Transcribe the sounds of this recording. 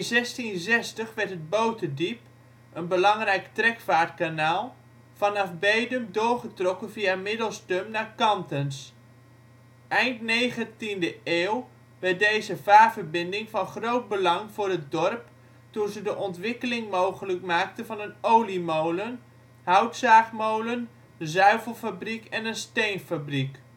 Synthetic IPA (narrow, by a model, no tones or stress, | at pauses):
nzɛstinzɛstəχʋɛɹtɦəd̚bowtədip | ʔənbəlɑŋrɛjktrɛkfaːɹt̚kanaːlˠ | vɑnɑfbejdəmdʊːɹχətrɔkənviamɪdəlˠstømnaːɹkɑntəns | ʔɛjntnejχəntindəʔeːw | ʋɛɹt̚dejzəvaːvərbɪndɪŋfɑnχrowt̚bəlɑŋvʊːrət̚dɔrp | tunzədəʔɔntʋɪkəlɪŋmowχələkmaːk̚təvɑnənowlimowlən | ɦœwtsaːχmowlən | əzœɥvəlˠfabrikɛnənstejnfabrik